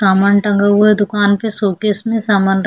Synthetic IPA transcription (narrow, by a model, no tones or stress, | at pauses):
aːmanʈɐ̃ŋɡəɦued̪ʊkaːnpesoːkɪsmẽsaːmaːnɾ